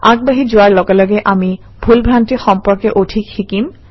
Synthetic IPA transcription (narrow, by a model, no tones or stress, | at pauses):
aɡ̚baɦid͡ʑoaɾlɔɡalɔɡeʔami | b̥ʱulbʱɾanʈiɾxɔmpoɾkeʔoʈʰikhikim